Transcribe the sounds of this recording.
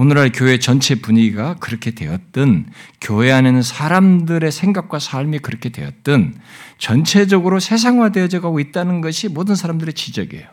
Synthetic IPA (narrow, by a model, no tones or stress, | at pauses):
onɯɾɦaɭkjoe̞t͡ɕʌnt͡ɕʰe̞puɲiɡakɯɾʌkʰe̞dwe̞̰ʌt̚t͈ɯnkjoɦe̞anenɯnsʰaɾamdɯɾe̞sʰe̞ŋɡak̚k͈wasʰaɭmikɯɾʌkʰe̞dwe̞̰jʌ̰t̚t͈ɯnt͡ɕʌnt͡ɕʰe̞d͡ʑʌɡɯɾosʰe̞s̬ʰaŋwaded͡ʑʌɡaɡoit̚t͈anɯnɡʌɕʰimodɯnsʰaɾamdɯɾe̞t͡ɕid͡ʑʌɡe̞̰jo